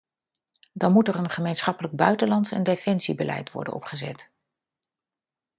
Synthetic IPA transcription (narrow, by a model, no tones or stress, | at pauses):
dɑnmutərənχəmejnsχɑpələɡ̚bœɥtəlɑntsɛ̰ndefɛnsibəlʔɛ̰jtʋɔ̰ɹdənʔɔ̰pχəzɛ̰t